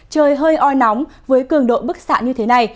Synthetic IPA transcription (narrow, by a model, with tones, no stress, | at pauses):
t͡ɕəː˧jɦəː˧jʔɔ˧jnɔ˨˦wŋ͡mvəː˨˦jkɨ˧˩əŋɗo̰˧˨jɓɨ˦˥k̚sa̰ː˧˨ɲɨ˧t̪ʰe˨˦na˨˩j